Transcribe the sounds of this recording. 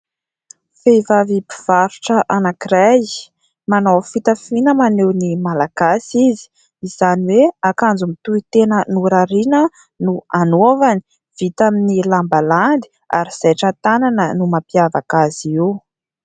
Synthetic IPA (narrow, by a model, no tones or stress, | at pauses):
fejvavipiv̥aɾuʈ͡ʂəʔanakiɾaj | manowfit̪afinəmanewnimalaɡ̥asizi̥ | iz̥aniweakand͡zumit̪uit̪enənuɾaɾinə | nuanovani̥ | v̥it̪aminilambaland̪i̥ | a̰ɾiz̥ajʈ͡ʂat̪ananənumapiavakazew